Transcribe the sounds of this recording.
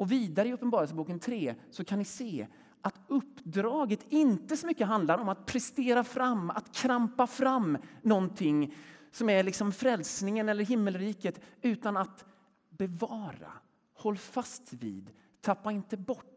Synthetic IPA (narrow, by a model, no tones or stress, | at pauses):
ɔviːd̪aɾəɪɵpːənbɑːɾəlsəbuːkənt̪ʰɾeːsɔkʰanɪseː | ʔat̪ɵpːd̪ɾɑːɡət̪ɪnt̪əsɔmʏkːəɦand̪laɾɔmat̪̚pʰɾɛst̪eːɾafɾamːa̰t̪kʰɾampafɾamːnɔnt̪ʰɪŋːsɔmæɾɭɪksɔmfɾɛlsnɪŋənɛlːəɾɦɪmːəlɾiːkət̪ʉ̟ːt̪anat̪ | bɛvɑːɾa̰ | hɔlːfast̪vḭːd̪ | t̪ʰapːaɪnt̪əbɔʈː